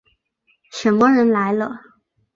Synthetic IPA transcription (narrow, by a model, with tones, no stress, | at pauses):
ʂə˧˥nmə˥ɻə˧˥nla˧˥ɪlə˧